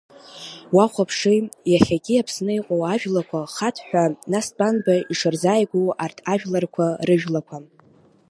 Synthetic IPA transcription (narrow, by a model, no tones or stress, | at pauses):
waχʷapʰʂɨjaχʲakʲɪjapʰsnɨiqʼowaʒᶣlakʷʰaχatʰħʷᶣanasbʼanbaiʂɨrzaːjɡʷowartʰaʒᶣlarkʷʰarɨʒᶣlakʷʰa